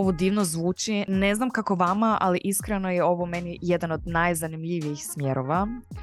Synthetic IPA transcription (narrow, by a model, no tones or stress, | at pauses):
oʋod̪iːʋnozʋuːt͡ʃine̞znamkako̞ʋamaʔa̰liʔiskɾeno̞jeo̞ʋomenije̞d̪ano̞d̪najzanimʎiʋiixsmʲje̞ɾoʋa